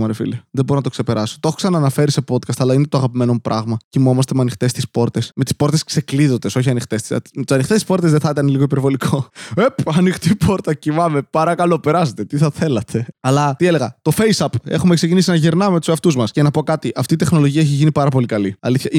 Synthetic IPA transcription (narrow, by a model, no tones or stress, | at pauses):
mɐɾefḭliɐðeboɾonɐt̪okse̞pe̞ɾɐso̥t̪o̞xoksɐnɐːnɐfe̞ɾise̞po̞d̪kɐst̪ɐlɐinet̪oɐɣɐpime̞no̞mupɾʔɐɣmɐcimo̞mɐst̪e̞meɐnixt̪e̞st̪ispo̞ɾt̪e̞sme̞t̪isp̞ɾt̪e̞skse̞kliðo̞nd̪e̞so̞çiɐnixt̪est̪ḭmt̪ɐnixt̪est̪i̥spo̞ɾt̪ezðeθɐit̪ɐneliɣoipeɾvo̞likʰoepɐnixt̪ipo̞ɾt̪ɐcimɐme̞pɐɾɐkɐlo̞pe̞ɾɐset̪e̞t̪iθɐθe̞lɐt̪ʰe̞ɐlɐt̪iele̞ɣɐt̪o̞feisɐpe̞̰xumeksecinisienɐʝeɾnɐmet̪u̥sɐft̪uzmɐsce̞nɐpo̞kɐt̪iʔɐft̪iːt̪e̞xno̞lo̞ʝiɐeçiʝinipɐɾɐpo̞likɐliɐliθçɐ